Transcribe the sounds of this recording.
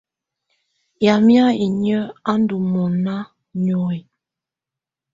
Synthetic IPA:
ja˨mja˦i˨ɲə˦a˦n˦du˨mɔ˨na˦ | ɲɔ˨i˨

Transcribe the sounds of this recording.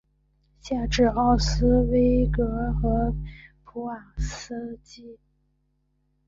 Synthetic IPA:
ɕja˥˧ʈ͡ʂɻ̩˥˧ɑ˥˩ʊsɹ̩˥we˥ɪkɤ˧˥xɤ˧˥pʰu˧˥a˨˩s̩˥t͡ɕi˥

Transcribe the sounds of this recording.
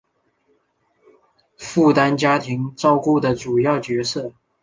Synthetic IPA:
fu˥˩t̪a˥nt͡ɕja˥t̪ʰi˧˥ŋt͡sɑ˥˧ʊku˥˩d̪ə˩ʈ͡ʂu˨˩jɑ˥˩ʊt͡ɕɥɛ˧˥sɤ˥˩

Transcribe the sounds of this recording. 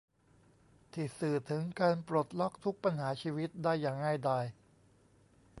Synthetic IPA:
t̪ʰi˨˩sɯː˨˩t̪ʰɯ˩˦ŋkaː˧npɾo˨˩t̪̚lɔ˦˥k̚t̪ʰu˦˥k̚pa˧nhaː˩˦t͡ɕʰiː˧wi˦˥t̪̚daː˥˩jːaː˨˩ŋːa˥˩jdaː˧j

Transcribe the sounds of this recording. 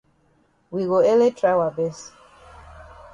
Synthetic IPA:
wi˨ɡo˨ɛ˦le˦tʰɹa˦wa˨bɛ˦s

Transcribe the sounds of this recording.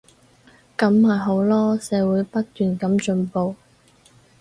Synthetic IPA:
kɐ˨˥mhaː˨jɦo˨˥wlɔː˥sɛː˨˧˥wuː˨˥jpɐ˥t̚t̪yː˨˩nkɐ˨˥mt͡ʃɵ˧npo˨˧w

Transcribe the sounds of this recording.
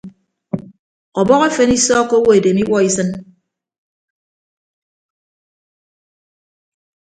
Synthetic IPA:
ɔ˨bɔ˦ɣe˦fe˨ni˦sɔː˦ko˦wo˦e˨de˨mi˦wʷɔ˦i˦sɨ˦n

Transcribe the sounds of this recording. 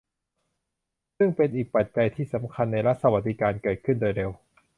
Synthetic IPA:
sɯ˥˩ŋpe˧nʔiː˨˩k̚pa˨˩t̪̚t͡ɕa˧jt̪ʰiː˥˩sa˩˦mkʰa˧nːa˧jɾa˦˥t̪̚sa˧wa˨˩t̪̚di˦˥kaː˧nkɤː˨˩t̪̚kʰɯ˥˩ndoː˧jɾe˧w

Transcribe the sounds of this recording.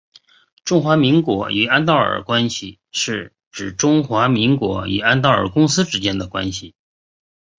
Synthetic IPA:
ʈ͡ʂʊ˥ŋxwa˧˥mi˧˥ŋkwɔ̰˧˥y˨˩a˥nt̪ɑ˥˩ə̰˨˩kwa˥nɕi˨˩ | ʂɻ̩˥˩ | ʈ͡ʂɻ̩˨˩ʈ͡ʂʊ˥ŋxwa˧˥mi˧˥ŋkwɔ˧˥y̰˨˩a˥nt̪̬ɑ˥˩ʊə̰˨˩kʊ˥ŋsɹ̩˥ʈ͡ʂɻ̩˧˥t͡ɕjɛ˥nd̪ə˨kwa̰˥nɕi˨˩

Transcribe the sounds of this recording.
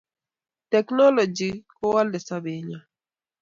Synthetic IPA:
tɛ˨knɔ˦lɔ˨d͡ʒi˨kɔ˦wa˦ldɛ˨sa˦be˨ɲa˨

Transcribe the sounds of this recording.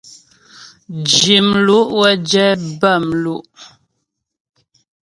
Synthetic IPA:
d͡ʒi˨mlu˦ʔwɛ˦d͡ʒɛ˦bə˦˨mlu˦ʔ

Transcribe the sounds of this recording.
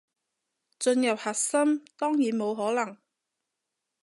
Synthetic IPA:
t͡sɵ˧njɐ˨˩p̚hɐ˨t̚sɐ˥mt̪ɔː˥ŋjiː˨˥nmo˨˧wɦɔː˨˥lɐ˨˩ŋ

